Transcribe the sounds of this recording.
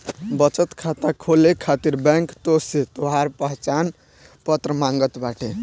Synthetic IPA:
bət͡ʃət̪kʰat̪akʰolekʰat̪iɾbɛ̃ŋkt̪oset̪oɦaɾpəɦt͡ʃan | pət̪ɾəmãŋɡət̪baʈʰe

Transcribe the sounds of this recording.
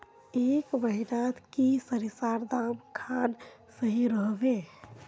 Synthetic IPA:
eːkbəɦiɾat̪kisəɾisaːɾd̪amkʰan | səɦiɾəɦʋe

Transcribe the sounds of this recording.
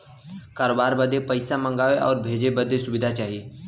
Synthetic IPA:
kaːɾoːbaːɾbəd̪ʱepəɪsamə̃ŋɡaːʋeʔɔːɾbʱeːd͡ʒebəd̪esʊbɪd̪ʱat͡ʃaːɦie

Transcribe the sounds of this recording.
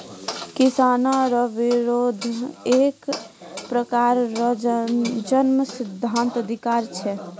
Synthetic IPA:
kisanaɾəbiɾod̪ʱekpɾəkaɾ | d͡ʒənməsid̪ʱːant̪əd̪ʱikaɾt͡ʃʰɛ

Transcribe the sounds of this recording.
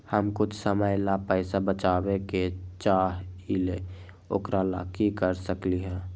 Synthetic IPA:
həmkʊt͡ʃʰsəməjlapəɪsabət͡ʃaːbeket͡ʃaːɦile | o̰ːkɾala̰kikəɾsəkliɦɛ̃ː

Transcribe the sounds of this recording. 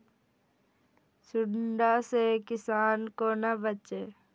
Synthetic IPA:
sʊɖɳɖasekɪsaːnkonɐbət͡ʃe

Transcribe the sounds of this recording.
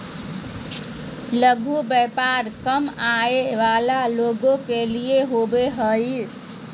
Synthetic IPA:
ləɡʱubepaɾkəmaeʋalaloɡokelijeɦobeɦəj

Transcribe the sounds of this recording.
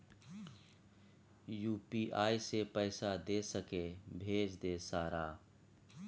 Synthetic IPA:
juːpiːʔaːisepəɪsad̪eːsəkebʱeːd͡ʒd̪esaːɾaː

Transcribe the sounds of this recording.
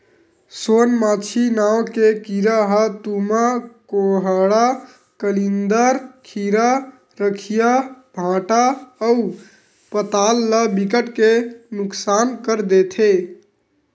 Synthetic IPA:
sonmat͡ʃʰinawkekiɾaɦət̪umakoɦəɽa | kəlind̪əɾkʰiɾa | ɾəkʰijabʱãʈaəu | pət̪alːəbikəʈkenuksankəɾd̪et̪ʰe

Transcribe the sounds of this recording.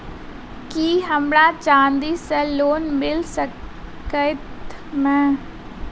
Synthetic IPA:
kiːɦəmɽaːt͡ʃaːnd̪iːsɛːloːnmɪlsə | əɪt̪mɛ̃ː

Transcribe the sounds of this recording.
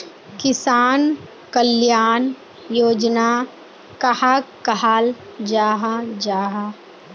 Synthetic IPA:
kɪsaːn | kəljaːn | joːd͡ʒna | kɐhaːkəɦaːld͡ʒaːɦad͡ʒaːɦa

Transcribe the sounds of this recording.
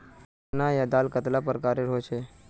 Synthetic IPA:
najad̪aːlkət̪lapəɾkaːɾeɾɦot͡ʃʰe

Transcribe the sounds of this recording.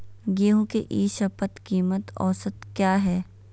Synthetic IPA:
ɡiːɦõkeʔiːʃɐpət̪kiːmət̪ɔ̰ːsət̪kjaːɦɛː

